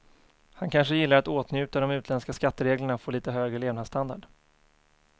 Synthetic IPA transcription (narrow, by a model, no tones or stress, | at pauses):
hankʰanʂəjɪlːaɾat̪oːt̪njʉ̟ːt̪ad̪ɔmʉ̟t̪lɛnskaskat̪ːəɾeːɡləɳafoːliːt̪əɦøːɡɾəleːvnad̪st̪and̪a̰ɖ